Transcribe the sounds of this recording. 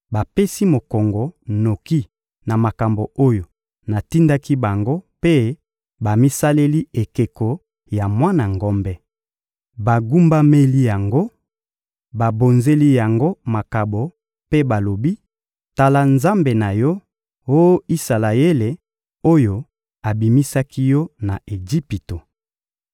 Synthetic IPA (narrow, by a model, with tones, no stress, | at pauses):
ba˨pe˦si˦mo˨kɔ˨ŋɡɔ˨no˨ki˦ | na˨ma˨ka˨mbo˨o˦jo˨ | na˨ti˦nda˦ki˦ba˨ŋɡo˦pe˦ | ba˨mi˦sa˦le˦li˦e˨ke˨ko˨ | ja˨mwa˦na˨ŋɡɔ˦mbɛ˦ | ba˨ɡu˦mba˦me˦li˦ja˨ŋɡo˦ | ba˨bo˨nze˦li˦ja˨ŋɡo˦ma˨ka˨bo˨ | pe˦ba˨lo˨bi˦ | ta˨la˨nza˦mbe˨na˨jɔ˦ | o˦i˦sa˨la˨e˦le˨ | o˦jo˨ | a˨bi˨mi˦sa˦ki˦jɔ˦na˨ʔe˨ɡi˦pi˨to˨